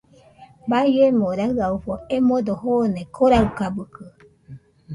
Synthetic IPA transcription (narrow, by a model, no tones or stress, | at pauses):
baiemoɾaɯauɸoemõd̪ohonekʰoɾaukabɯkɯ